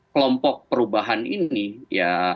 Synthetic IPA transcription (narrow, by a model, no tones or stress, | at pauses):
kəlɔmpɔk̚pəɾubaɦaninija